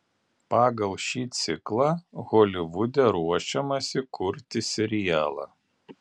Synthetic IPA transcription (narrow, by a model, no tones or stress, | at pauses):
pɑːɡɐlˠʃʲiːt̪sʲɪklˠɑɣɔlʲɪʋʊd̪ʲɛɾuɔʃʲɛmɐsʲɪkʊɾʲt̪ʲɪsʲɛɾʲɪjæːlˠɑ̰